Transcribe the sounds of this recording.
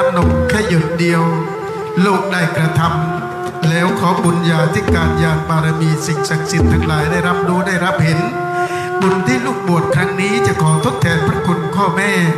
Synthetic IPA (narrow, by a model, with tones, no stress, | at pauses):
no˨˩˦ŋkʰa˥˩jɯ˨˩t̪̚di˧əw | loː˥˩k̚daː˥˩jkɾa˧t̪ʰa˧m | lɛː˦˥wkʰɔː˩˦bu˨˧˦njaː˨˩t̪ʰiː˥˩kaː˧njaː˧npaː˧ɾa˧miː˧si˨˩ŋsa˨˩k̚si˨˩t̪ʰːaː˧˩˦ŋlaː˩˦jdaː˥˩jɾa˦˥p̚duː˧˦daː˥˩jɾa˦˥p̚he˩˦n | bo˨˩nt̪ʰiː˥˩luː˥˩k̚bu˨˩ət̪̚kʰɾa˦˥ŋniː˦˥t͡ɕa˨˩kʰɔː˩˦t̪ʰo˦˥t̪ʰːɛː˧npʰɾa˦˥kʰu˧nkʰɔː˥˩mɛː˥˩